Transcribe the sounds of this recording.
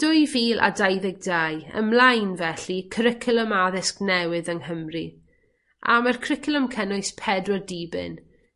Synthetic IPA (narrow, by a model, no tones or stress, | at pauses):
d̥ʊjviːlˠʔa̰dajðɪɡ̚daːjə̰mlajnvɛɬikʰəɾɪkʰɪlˠəmaðɪsknɛwɨðəŋhəmri | ʔa̰markʰr̥ɪkʰɪlˠəmkʰənʊɨspʰɛdwɔdiːbɪ̰n